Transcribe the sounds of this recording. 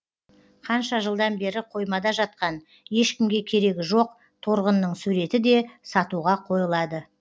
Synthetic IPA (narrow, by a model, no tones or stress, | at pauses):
qʰɑnʃɑʒəlˠd̪ɑnbe̞ɾɪqʰo̞jmɑd̪ɑʒɑt̪̚qɑn | je̞ʃkʲɪmɡʲe̞kʲʰe̞ɾe̞ɡʲɪʒoq̚ | t̪ʰoɾʁənːəɴsuɾe̞t̪ɪd̪e̞sɑt̪uʁɑqʰo̞jəlˠɑd̪ə